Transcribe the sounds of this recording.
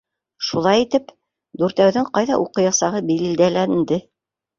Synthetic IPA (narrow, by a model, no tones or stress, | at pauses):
ʃulˠɑjit̪ɘp | d̪uɾt̪æwðɘɴqɑjðɑʔuqɤ̆jɑsɑʁɤbil̆ld̪ælænnd̪ɘ